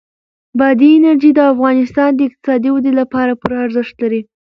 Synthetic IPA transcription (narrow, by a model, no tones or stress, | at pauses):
bad̪iɪnaɾʒid̪əafɣɑnɪst̪ɑnd̪əɪq̚t̪ɪ̥sɑd̪iwad̪elapɑɾapʊɾaɾzəʂt̪laɾi